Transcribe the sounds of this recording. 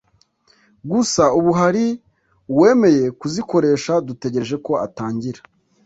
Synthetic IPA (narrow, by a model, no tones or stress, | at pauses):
ɡusauβuɦaɾi | we̞ːme̞je̞kuziko̞ɾe̞ːʃadute̞ɟe̞ʒeko̞a̰taːɲɟiɾa